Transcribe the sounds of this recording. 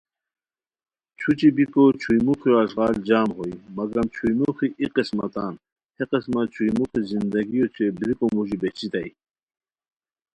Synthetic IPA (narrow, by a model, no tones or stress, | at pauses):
t͡ɕʰut͡ɕibikot͡ɕʰujmukioɐsʁɑːld͡ʑaːmɦoimɐɡɾɐmt͡ɕʰujmuxiʔiqismɐ̰t̪ɑːn | heqesmat͡ɕʰujmuxizind̪ɐɡijot͡ɕʰebɾikomuʑibet͡ɕit̪aj